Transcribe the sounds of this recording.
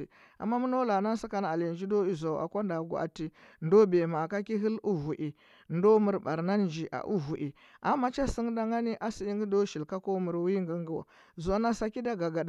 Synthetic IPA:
i˨ | a̰˨mːa˦mu˦no˦la˨na˦n˦si˦ka˦n˨a˨li˨nd͡ʒi˦do˦i˦za˨a̰˨kʷa˦nda˨ɡʷa̰˨a̰˨ti˨ndo˦be˨ma˨ka˦ki˦ɦi˦lu˦vu˨ʔi˨ | ndo˦mu˨ɾba˨ɾna˦nd͡ʒi˨ʔa̰˨ʔu˦vu˨ʔi˨ | ʔa˨ma˦t͡ʃa˦si˦ŋ˦da˦ŋɡa˦ni˦ʔa˦si˦i˦ŋɡi˦do˦ʃi˨lka˦ko˦mu˨ɾwi˦ŋɡə˦ŋɡu˦wa̰˨ | zu˨a˦na˦sa˨ki˦da˦ɡa˨ɡa˨d

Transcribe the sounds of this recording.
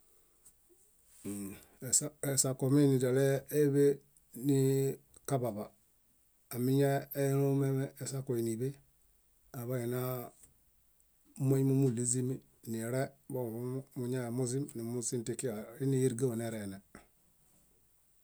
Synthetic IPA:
se˨sa˨ko˨mi˦ni˨da˨leː˦βe˦ | ni˦ | ka˦ba˨βaː˨ | mi˦ɲa˦e˦nu˦me˦meː˦˨sa˦ko˨i˨ni˨βe˦ | a˨βa˦ji˨na˦ | ma˦jmu˦mu˦˨li˦zi˦mi˦ | ni˨ɾɛ˦bo˦˨u˦mu˨ɲa˦e˨mu˦z̬i˦mni˨mu˦si˦mti˨ki˦a˨ɾi˦ni˦ji˦ɾɡe˦wo˨ne˨ɾe˨ne˨

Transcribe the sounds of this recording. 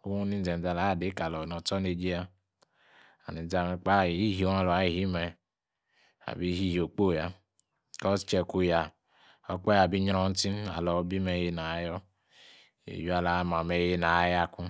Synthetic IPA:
o˦wu˦ni˦n̩˦d͡zɛ˨n˨d͡za˨la˨˦˨de˨˦ka˨lɔ˨nɔ˨tɔ˦ne˨d͡ʒi˦ja˦ | a̰˨ni˨˦d͡za˨mɛ˨k͡pa˦˨i˦ɦi˨o˨˦a˨lɔ˨a˨˦i˨hi˦mɛ˨ | a̰˨bi˦ɦi˦ɦi˨o˨k͡po˦˨ja˦ | kɔ˦t͡ʃɛ˨ku˦ja˨ | ɔ˨k͡pɛ˦a˨bi˦ɲ˦ɾɔ˨˦n̩˦ti˦na̰˨lɔ˨˦bi˦mɛ˨˦je˦na˨˦jɔ˦ | ḛ˨ju˦a˨la˨˦ma˨me˨je˦na˨˦ja˦˨ku˦

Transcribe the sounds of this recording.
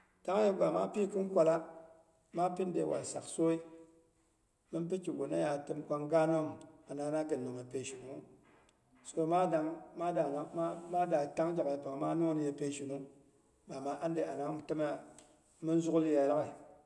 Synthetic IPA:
ta˦ŋ˦e˦ɡa˨ma̰˦pi˦˨kɨ˦n˦kʷa˨la˦ | ma˦pi˦n˦dḛ˨wʔa̰˨lsa̰˨kso˦i˦ | mɨ˦npi˦ki˨ɡo˨na˦ja˨tɨ˦mkʷa˦ŋɡa˦no˦˨m˨a˨na˨˦na˦kɨ˨no˨ŋe˨pe˨ʃi˨nu˨˦ | so˦ma˦da˦ŋma˦da˨na˦ma˦da˨ta˦ŋd͡ʒa˨ke˨pa˨ŋ˨ma˦no˦ni˦je˨pe˦ʃi˨nu˦ | ba˨ma˨˦ʔa˦n˦de˨a˨na˨˦m˨tɨ˦ma˦a˨ | mi˦n˦zu˦kli˦ja˨˦ɾa˦ki˨

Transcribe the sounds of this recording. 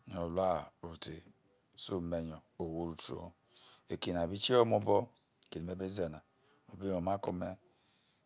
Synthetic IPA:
ɲo˨la˦o˨te˨ | su˦me˨ɲo˨o˨wo˦ɾu˨to̰˨˦˨ | e˨ki˨n˨a˨bi˦t͡ʃi˦o˦mo˦bo˦˨ | ke˨li˨me˦be˦ze˨na˨ | mo˨bi˦o˨ma˦ko˦me˦

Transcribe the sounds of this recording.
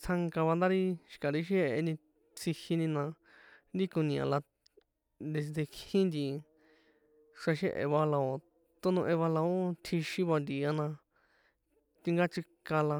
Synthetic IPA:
t͡sʰa˧ŋka˧βa˧nd̪a˦ɾi˦ʃi̥˧ka˨ɾi˧˦ʃ̬e˦ʔe˧nĩ˧ | t͡sʰi˧hi˧nĩ˧nã˧ | nd̪i˦kõ˧nĩ˨ã̰˨la˧ | nd̪e˧s̬i˧d̪e˧kĩ˦nd̪i˧ | ʂa˧ʃe˦ʔḛ˧βa˧la˧o˨ | t̪o˦nũ˧ʔẽ˧βa˧la˧o˦t̪ʰi˧ʃĩ˦βa˧nd̪i˨a˧nã˧ | t̪i˧ŋɡa˦t͡ʃi˧ka˧la˧

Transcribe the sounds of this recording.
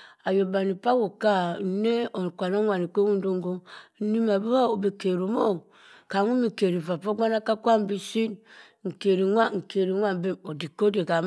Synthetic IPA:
a˨jo˨ba˨ni˨pa˦wo˨ka˦˨˦ne˦o˨kʷa˨no˦ŋʷa˨ni˨kʷe˦u˦n˦do˦ŋ˦ɡo˦ni˦ma˨bu˦wa˦o˨bi˨ke˨ɾu˨mo˦˨ | ka˨ŋu˦mi˨ke˨ɾi˨va˨po˦ɡʷa˦na˦ka˦kʷa˦m˦bi˦si˦n | ŋ̩˨ke˨ɾi˨ŋʷa˦ŋ̩˨ke˨ɾi˨˦ŋʷa˦m˦be˦o˨di˨ko˦de˨ka˨m

